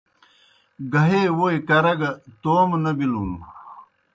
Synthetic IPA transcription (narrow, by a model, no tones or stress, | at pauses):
ɡɐɦewojkɐɾɐɡɐt̪oːmnɐbiluːn